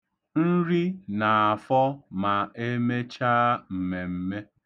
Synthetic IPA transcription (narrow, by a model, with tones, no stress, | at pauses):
n̩˦ɾi˦na˨a˨fɔ˦ma˨e˦me˦t͡ʃa˦m̩˨me˨m̩˦me˦